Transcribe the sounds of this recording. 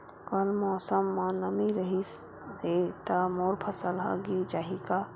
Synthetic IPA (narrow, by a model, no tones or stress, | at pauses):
kəlmɔːsəmːanəmiɾəɦis | ɦet̪əmoɾpʰəsəlɦə̰ɡid͡ʒaːɦika